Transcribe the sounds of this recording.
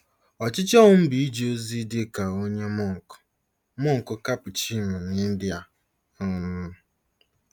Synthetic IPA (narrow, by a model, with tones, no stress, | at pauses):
ɔ˨t͡ʃɪ˦t͡ʃɔ˦ŋʊ˦m̩˦bi˨i˦d͡ʒo˦zi˦dɪ˦ka˨o˦ɲe˦mʊ˦ŋ̩˨kʊ̥˨ | mʊ˦ŋ̩˨kʊ˦ka˦pʊ˨t͡ʃi˦me˨n˨e˦n̩˦dɪ˦a˨ | ɔ˦nʊ˦